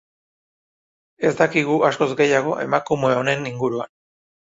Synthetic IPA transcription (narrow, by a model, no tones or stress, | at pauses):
e̞zd̪akiɣ̞uʔasko̞zɡe̞jaɣ̞o̞ʔe̞makumeone̞niŋɡuɾua̰n